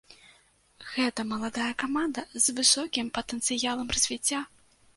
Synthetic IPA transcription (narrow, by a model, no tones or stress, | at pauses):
ɣɛt̪ɐmɐlˠad̪ajɐkamand̪ɐzvɨsɔkʲimpɐt̪ɛnt̪sɨjalˠɐmrɐzʲvʲit͡sʲːa